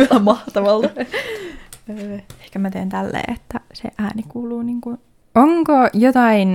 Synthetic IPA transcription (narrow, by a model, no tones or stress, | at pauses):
elæmɑht̪ɑʋɑlt̪ɑ | øːe̥hkæmæt̪eint̪ælːḛːet̪ːæsḛʔæːnikuːluːniŋkun | oŋkojot̪ɑin